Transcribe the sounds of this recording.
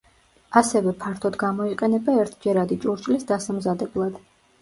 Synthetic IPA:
asɛvɛpʰaɾt̪ʰɔd̪ɡamɔiqʼɛnɛbaɛɾt̪ʰd͡ʒɛɾad̪it͡ʃʼuɾt͡ʃʼlisd̪asamzad̪ɛblˠad̪̥

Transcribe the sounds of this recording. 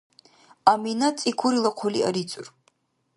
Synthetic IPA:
aminat͡sʼikʷʰuɾilaqʰʷɔlia̰ɾit͡sʼur

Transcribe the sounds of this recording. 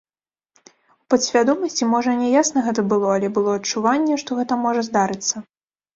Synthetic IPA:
upɐt̪sʲvʲad̪ɔmɐsʲt͡sʲimɔʐɐnʲɛjasnɐɣɛt̪ɐbɨlˠɔɐlʲɛbɨlˠɔɐt͡ʂːuvanʲːɛʂt̪ɔɣɛt̪ɐmɔʐɐzd̪aɾɨt̪sːɐ

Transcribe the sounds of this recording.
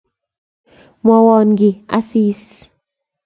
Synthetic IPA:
mawɔnɡia̰siːs

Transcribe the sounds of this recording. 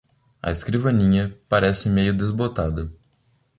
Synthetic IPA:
ɐ̰eskɾivɐnĩɲɐpaɾɛsɪmejʊd̪ezbot̪ad̪ɐ

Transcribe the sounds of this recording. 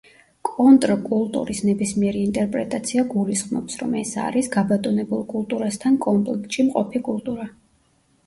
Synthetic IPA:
kʼɔnt̪ʼɾkʼulˠt̪ʼṵɾisnɛbismiɛɾiːnt̪ʼɛɾpʼɾɛt̪ʼat̪sʰiaɡulisχmnɔ̰psɾɔ̰mɛsa̰ɾisɡabat̪ʼɔnɛbulˠkʼulˠt̪ʼuɾast̪ʰankʼɔmpʼlɛkʰt̪ʼʃimqʼɔpʰikʼulˠt̪ʼuɾa

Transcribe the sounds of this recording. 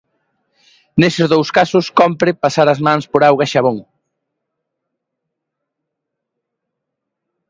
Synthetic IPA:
nesɪzðowskasʊskɔmpɾɪpasaɾɐzmãnspoɾawɣaʃaβoŋ

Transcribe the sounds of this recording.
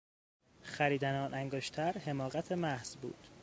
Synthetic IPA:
xæɾiːd̪ænɒːnʔæŋɡoʃt̪ʰæɾhe̞mɒːɣæt̪ʰe̞mæhz̥bṵːd̪̥

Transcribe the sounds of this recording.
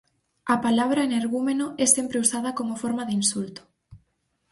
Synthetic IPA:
ɐpalaβ̞ɾɐeneɾɣumenoɛsempɾeusað̞ɐkomofoɾmaðinsult̪ʊ̥

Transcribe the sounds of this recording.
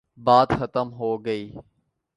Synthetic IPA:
baːd̪xət̪əmɦoːɡəiː

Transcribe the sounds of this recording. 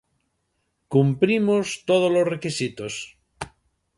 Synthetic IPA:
kumpɾimost̪oð̞ozlozrekisit̪os

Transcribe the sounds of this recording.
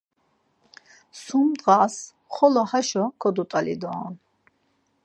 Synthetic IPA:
sumd̪ʁas | χɔlɔhaʃɔkʰɔd̪ut̪ʼalḭd̪ɔːn

